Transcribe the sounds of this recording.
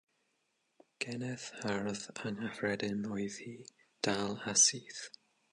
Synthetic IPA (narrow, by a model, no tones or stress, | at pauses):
ɡ̥ɛnɛθharðaŋafrɛdɛnɔɨðhiː | d̥alˠasiːθ